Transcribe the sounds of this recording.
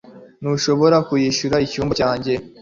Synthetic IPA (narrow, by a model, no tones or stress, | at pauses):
nuʃo̞βo̞ɾakujiʃuɾaicuːmbacaːɲɟe̞